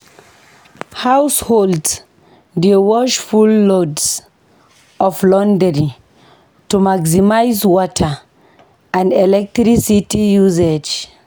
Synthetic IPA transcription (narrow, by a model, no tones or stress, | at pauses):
hawsholds | diwɔʃfulːods | ɔflɔ̃ndəɹi | tumaksimajzwɔtʰə | ãndɛlɛk̚tɾisitijuzed͡ʒ